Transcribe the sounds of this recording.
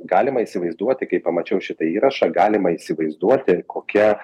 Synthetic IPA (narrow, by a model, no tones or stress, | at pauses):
ɡɑːlʲɪmɐisʲɪʋɐɪzd̪uɔt̪ʲɪkɐɪpɐmɐt͡ʃʲɛʊʃʲɪt̪ɐiːɾɐʃɑɡɑːlʲɪmɐiːsʲɪʋɐɪzd̪uɔt̪ʲɪkoːkʲɛ